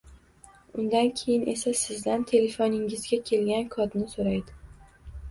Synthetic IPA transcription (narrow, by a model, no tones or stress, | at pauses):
ʊnd̪ankʲʰejɪnʔe̞̰sasɪzd̪ant̪ʰe̞le̞fonɪŋɪzɡʲakʲʰe̞lɡʲankʰɒd̪nɪsoɾajd̪ɪ